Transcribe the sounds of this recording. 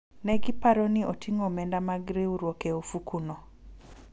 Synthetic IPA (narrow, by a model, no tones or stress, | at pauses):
nɛɡipaɾɔniotʰiŋomɛndamaɡɾeuɾwokeofukuno